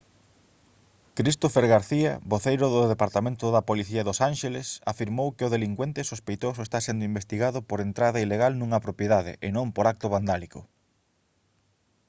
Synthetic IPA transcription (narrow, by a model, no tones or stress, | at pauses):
kɾist̪ofeɾɣaɾθia̰βoθejɾʊðoðepaɾt̪amẽnt̪ʊðapoliθiaðosanʃelesafiɾmowkeʊðeliŋkwent̪esospejt̪osoest̪asend̪ʊimbest̪iɣaðʊpoɾent̪ɾaðaileɣalnũŋɐpɾopjeðaðḛʔenõmpoɾak̚t̪oβand̪alikʊ